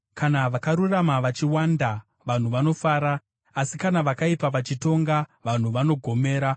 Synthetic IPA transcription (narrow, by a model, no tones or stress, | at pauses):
kanaʋakaɾuramaʋat͡ʃiwanda | ʋan̤uʋano̞faːɾaː | sikanaʋakaipaʋat͡ʃito̞ŋɡaʋan̤uʋano̞ɡʱo̞me̞ːɾa